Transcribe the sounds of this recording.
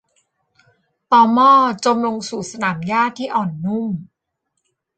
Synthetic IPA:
t̪ɔː˧mɔː˥˩t͡ɕo˧mlo˧ŋsuː˨˩sa˧naː˩˦mjaː˥˩tt̪ʰːiː˥˩ʔɔː˨˩nːu˥˩m

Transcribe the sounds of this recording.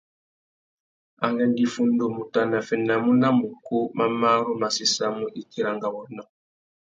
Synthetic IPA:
a˨ŋɡɛ˦ndi˨fu˦ndo˨mu˨ta˨na˨fɛ˨na˨mu˦na˦mu˨ku˦ma˦ma˦ɾu˦ma˨si˦sa˦mu˦ʔi˦ti˦ɾa˨ŋɡa˨wɔ˨nɔ˦

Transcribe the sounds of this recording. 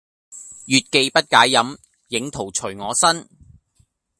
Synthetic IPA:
jyː˨t̚ke˧jpɐ˥t̚kaː˨˥jːɐ˨˥m | jɪ˨˧ŋt̪ʰo˨˩wt͡ʃʰɵ˨˩ɥŋɔː˨˧sɐ˥n

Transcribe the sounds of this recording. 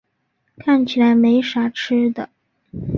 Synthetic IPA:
kʰa˥˩nt͡ɕʰi˨˩la˧˥ɪme˧˥ɪʂa˧˥ʈ͡ʂ̩ʰ˥d̪ə˨

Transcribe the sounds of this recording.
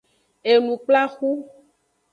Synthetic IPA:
e˨nũ˨k͡pla˦xu˦

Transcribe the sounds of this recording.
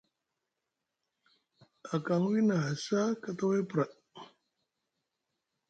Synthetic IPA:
a˨ka˨ŋwi˦na˨ɦa˨sa˦kət̪ə˦we˦pɾa˨ʔ

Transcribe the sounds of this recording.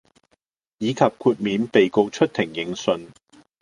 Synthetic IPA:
jiː˨˧kʰɐ˨p̚kʰuː˧t̚miː˨˧npe˨jko˧wt͡ʃʰɵ˥t̚t̪ʰɪ˨˩ŋjɪ˨˥ŋsɵ˨˧n

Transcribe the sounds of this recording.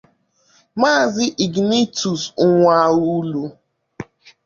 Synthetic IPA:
ma˦˨zɪ˦ʔi˨ɡni˦tu˨sʊ˦ŋʷa˦u˦lu˦

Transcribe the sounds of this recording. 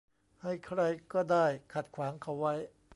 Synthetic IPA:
ha˥˩jkʰɾa˧jkɔː˥˩daː˥˩jkʰa˨˩t̪̚kʰwaː˩˦ŋkʰa˨˦˥wːa˦˥j

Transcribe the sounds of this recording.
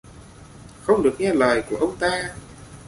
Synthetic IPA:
xə˧wŋ͡mɗɨ˨˩ək̚ŋɛ˧ləː˨˩jku˧˩əʔə˧wŋ͡mt̪aː˧

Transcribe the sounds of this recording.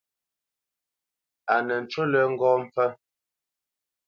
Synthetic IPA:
a˨nɛ˨n̩˨t͡ʃo˦lɛ˨ŋ̩˦ɡɔː˦m̩˦p͡fɛ˦m

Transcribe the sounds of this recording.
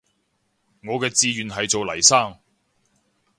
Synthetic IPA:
ŋɔː˨˧kɛː˧t͡siː˧ɥyː˨nɦɐ˨jt͡so˨wlɐ˨˩jsaː˥˩ŋ

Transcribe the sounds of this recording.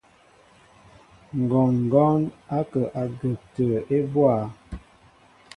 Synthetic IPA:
ŋ̩˨ɡɔ˨ŋŋ̩˨ɡɔ˦na˦kə˨ʔa˨ɡə˨k̚tə˨e˦bwa˦˨

